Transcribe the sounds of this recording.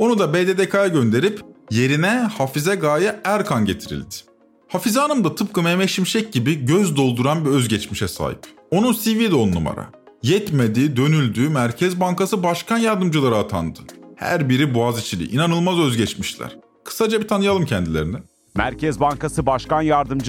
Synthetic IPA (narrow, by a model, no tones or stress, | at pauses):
o̞nud̪abed̪ed̪ekʰajaɟø̞nd̪e̞ɾipje̞ɾinɛhafizɛɡaːjaæɾkʰanɟe̞t̪ʰiɾḭlʲd̪ɪ̥ | hafizɛaːnɯmd̪at̪ʰɯp̚kʰɯmemeʃimʃɛc̚ɟibiɟøzd̪o̞lˠd̪uɾanbiø̞zɟɛt͡ʃmiʃɛsa̰ːɦḭp | o̞nunsivid̪onːṵma̰ɾa̰ | jɛt̪me̞d̪iːd̪ø̞nylʲd̪yːmæɾcʰɛzbankasɯbaʃkʰanjaɾd̪ɯmd͡ʒɯlˠaɾɯːt̪ʰa̰nd̪ɯ̥hæ̰ɾbiɾibuazit͡ʃʰilʲḭʔinanɯlˠmazø̞zɟɛt͡ʃmiʃilʲæ̰ɾ̥ | kʰɯ̥sad͡ʒabit̪ʰanɯjalˠɯmcʰɛnd̪ilʲe̞ɾinɛ | mæ̰ɾcʰɛzbankasɯbaʃkanjaɾd̪ɯmd͡ʒ